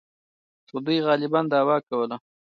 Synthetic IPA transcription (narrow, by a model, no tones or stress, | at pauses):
xod̪ujɣɑlɪbɑnd̪ɑːwɑkawəla